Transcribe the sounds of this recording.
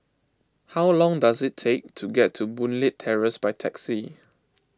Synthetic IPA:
hawlɔ̃ŋdazɪtʰek̚tʰuɡɛtʰːubũnlɪtʰːɛɹəsbajtʰɛksi

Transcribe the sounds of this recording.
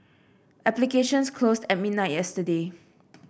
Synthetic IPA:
ʔɛplikeʃə̃nskʰlostɛt̚mid̚naɪt̚jɛstəde

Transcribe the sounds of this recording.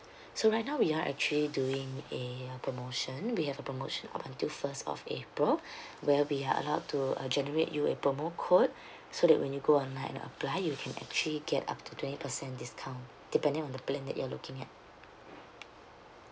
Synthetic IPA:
soɹaɪt̚nãʊwiaʔɛ̰k̚t͡ʃuəliduɪ̃ŋepɹomoʃə̃nwihɛvəpɹomoʃə̃na̰pãntilfəstɔ̰fḛpɹilwɛwiaə̰laʊtṵd͡ʒɛnəɹḛʔjuepɹomokʰot̚ | sodɛ̰ʔ̚wʔɛ̃njuɡoɔ̃nlãɪ̃ɛ̰̃nə̰plaɪjukʰɛ̃nɛ̰k̚t͡ʃuəliɡɛta̰p̚tutwɛ̃nti̥pəsɛ̃ndiskʰãʊ̃n | d̥ipɛ̃ndɪ̃ŋɔ̃ndəplɛ̃ndɛ̰ʔ̚jualukɪ̃ŋɛ̰t̚

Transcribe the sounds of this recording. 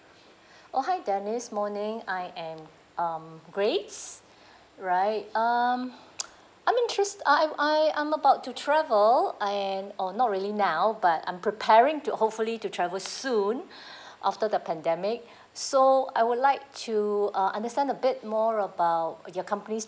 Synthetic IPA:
ʔoɦaɪdɛnɪsmɔnɪ̃ŋaɪʔɛ̃m | ʔʌmɡɹets | ɹaɪt̚ʌm | ʔãjmɪ̃ntʰɹɛstaɪʔaɪã̰ɪ̃məbaʊtːutʰɹɛvəlɛ̃nɔnɔt̚ɹiəlinaʊbatã̰ɪ̃mpʰɹipʰɛɹɪ̃ŋtuhop̚fulitutʰɹɛvəlsũn | ʔaftədəpʰɛ̃ndɛmɪk̚ | soa̰ɪwʊdlaɪk̚tʰuʌʔã̰ndəstɛ̃ndəbɪt̚mɔɹəbaʊt̚jɔkʰʌ̃mpənis

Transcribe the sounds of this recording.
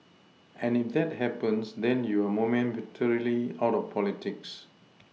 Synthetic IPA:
ʔɛ̃nifd̪ɛt̚hɛpə̃nsdɛ̃njuəmomɛ̃nwɪtʰɔɹiliawtɔfpʰɔlitɪks

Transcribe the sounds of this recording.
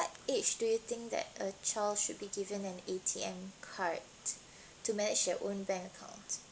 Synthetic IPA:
wɔtet͡ʃd̥ujut̪ɪ̃ŋk̚d̪ɛ̰tət͡ʃaɪldʃud̚biɡivə̃nɛ̃netʰiɛ̃mkʰaɹtː | umɛnɪd͡ʒdɛʔõnbɛ̃ŋkəkʰã̰ʊ̃nt

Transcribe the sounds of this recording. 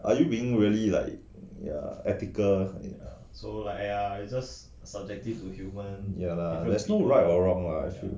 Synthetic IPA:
ʔajubiɪ̃ŋɹiəlila̰ɪk̚ | ja̰ɛtikəlja | solaɪkjaid͡ʒas | sab̚d͡ʒɛk̚tif̚tuhjumə̃njaladɛsnoɹatɔɹɔ̃ŋla̰ifjṵ

